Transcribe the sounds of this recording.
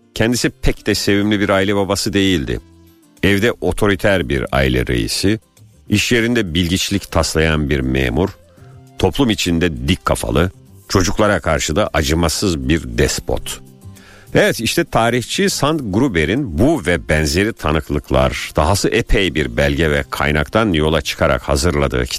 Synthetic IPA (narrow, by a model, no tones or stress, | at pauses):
cʰɛnd̪isipʰɛcd̪ɛse̞vimlʲibiɾailʲɛbabasɯd̪e̞jilʲd̪ɪ̰ | ɛvd̪ɛʔo̞t̪ʰo̞ɾit̪ʰæɾbḭɾa̰ilʲɛ̰ɾe̞̰jḭsi | iʃje̞ɾind̪ɛbilʲɟit͡ʃlʲict̪ʰaslˠajanbiɾmḛːmuɾ̥ | t̪ʰo̞pʰlˠumit͡ʃʰind̪ɛd̪ikʰːa̰fa̰lˠɯ | t͡ʃʰo̞d͡ʒuklˠaɾakʰaɾʃɯd̪aʔad͡ʒɯmasɯzbiɾd̪ɛspʰo̞̰t̪ | ɛvɛt̪iʃt̪ʰɛt̪ʰaːɾit͡ʃʰisant̪ɡɾube̞ɾinbuvɛbɛnze̞ɾit̪ʰanɯklˠɯklˠa̰ɾd̪̥aɦasɯʔepʰejbiɾbælʲɟɛvɛkʰa̰jnakt̪ʰanjo̞lˠat͡ʃʰɯ̥kʰaɾa̰khazɯɾlˠad̪ɯ̰